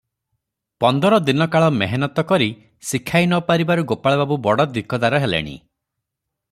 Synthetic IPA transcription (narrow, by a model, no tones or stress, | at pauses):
pɔnd̪ɔɾɔd̪inɔkaɭɔmeɦenɔt̪ɔkɔɾi | sikʰajnɔpaɾibaɾuɡopaɭbabubɔɽɔd̪ikɔd̪aɾɔɦelḛɽ̃ḭ